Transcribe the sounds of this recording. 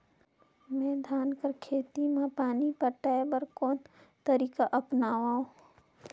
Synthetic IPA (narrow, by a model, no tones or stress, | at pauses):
mɛ̃ːd̪ʱaːnkəɾkʰeːt̪imãpaːnipəʈaːebəɾkoːnt̪əɾiːkaʔɐpnaːʋaːũ